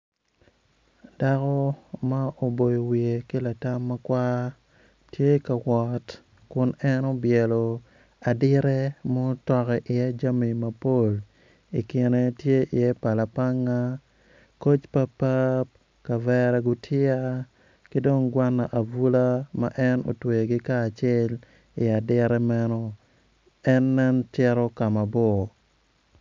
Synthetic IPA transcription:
da˦kɔ˦ma˦o˨bo˨jo˨wi˨e˨kɪ˦la˨ta˦mːa˦kwa˦ | tje˦ka˨wɔ˨t | kʊ˨nɛ˦no˦bjɛ˨lo˨ | a˨dɪ˦ɾɛ˦mo˦tɔ˦kɛ˨ʔɪ˨a˦d͡ʒa˦mi˨ma˨po˦˨l | i˨kɪ˨ne˨tje˦ʔɪ˨ɛ˦pa˨la˨pa˦ŋːa˦ | ko˦t͡ʃpa˦pa˦p̚ | ka˨vɛɾɛ˦ɡʊ˦tʰɪ˦a˦ | ki˦do˦ŋɡwa˦nːa˨ʔa˨vu˦la˦ma̰˦ʔɛ˦no̰˨twe˨ɡi˦kaː˦˨t͡ʃɛ˦l | ɪ˨a˨dɪ˦ɾɛ˦mɛ˦nɔ˦ | ɛ˦nːɛ˦ntɛ˦ɾɔ˦ka˨ma˨bɔ˦˨

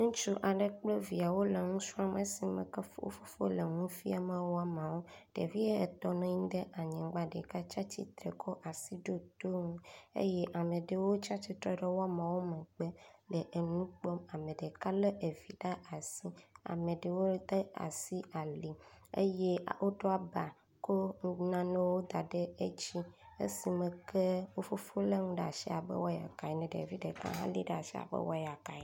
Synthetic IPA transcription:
ŋũ˦t͡ʃu˦ʔa˨ɖe˨k͡ple˦vi˨a˨wo˦le˨ŋũ˦sũ˦a˨me˨si˨mḛ˨ke˦fo̰˦fo˦fo̰˦le˨ŋũ˦fi˦a˨me˨wo˦a˨mã˨wo˦ɖ̥ḛ˨vi˦e˦e˨t̪ɔ˨nɛ̃˦ɲĩ˦d̪e˦ʔa˨ɲɛ̃˨ɡ͡ba˦ɖe˨ka˦t͡ʃa˦t͡ɕḭ˦t̪ɾḛ˨kʰɔ˦ʔa˨si˦ɖo˦d̪o˦ŋũ˦ḛ˦je˦ʔa˨mẽ˨ɖe˨wo˦t͡ʃa˦t͡ɕi˦t̪ɾɔ˦ɖe˦wo˦a˦mã˨wo˦mẽ˨ɡ͡be˦le˨ʔe˨ŋũ˦k͡pɔ˦ma˨mẽ˨ɖe˨ka˦le˦ʔe˨vi˨ɖa˦ʔa˨si˦a̰˨mẽ˨ɖe˨wo˦d̪e˦a̰˨si˦a˨li˨ḛ˦je˦˨wʔo˦ɖo˦a˦ba˨ | ko˦ŋ˦nã˦nẽ˦wo˦d̪a˨ɖe˦e˦t͡ɕi˦ḛ˦si˨mẽ˨kʰe˦wo˦fo˦fo˦le˦ŋũ˦ɖe˦˨a̰˨ʃi˦a˨bɛ̰˦wɔ˦ja̰˨ka˨i˨nɛ̃˨ɖe˨vi˦ɖe˨kã̰˦ɦã̰˦lḭ˦ɖe˦a˨ʃi˦a̰˨bḛ˦wɔ˦ja˨ka˨i˨

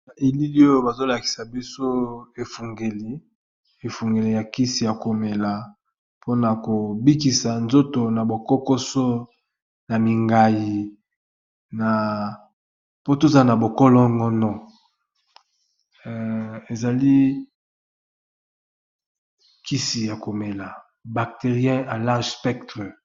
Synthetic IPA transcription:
a˨ʔe˨li˦li˦o˦jo˦ba˨zo˦la˨ki̥˨sa˨bi˦so˦e˨fu˨ŋɡe˨li˨ | e˨fu˨ŋɡe˨li˨ja˨ki˦si˨ja˨ko˨me˨la˨ | po˦na˨ko˨bi˦ki˨sa˨nzo˦to˨na˨bo˨kɔ˦ko˦sɔ˦ | na˨mi˨ŋɡa˨ji˨ | na˨ | po˦to˦za˦na˨bo˨kɔ˦lɔ˦ŋɡɔ˦nɔ˦˨ | e˨za˨li˦ | ki˦si˨ja˨ko˨me˨la˨ | ba˨k̚te˨ʁjɛ̃˦a˨la˦ʁʒspɛ˦k̚tʁɛ˨

